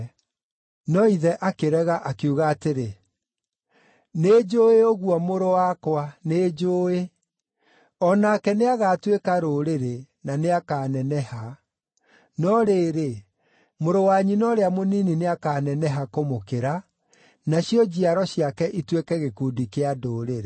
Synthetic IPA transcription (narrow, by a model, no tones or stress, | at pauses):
nɔiðɛʔakeɾɛɣaʔakuɣaːteɾe | neːd͡ʒoːeoɣwɔmoɾowakwaned͡ʒoːe | ɔnakɛneaɣaːtwekaɾoɾeɾe | naneakaːnɛnɛha | nɔɾeːɾe | moɾowaɲinɔɾeamoninineakanɛnɛɦakomokeɾa | naɕiɔd͡ʑiaɾɔɕiakɛʔitwekɛɣekuːdikeadoːɾeɾe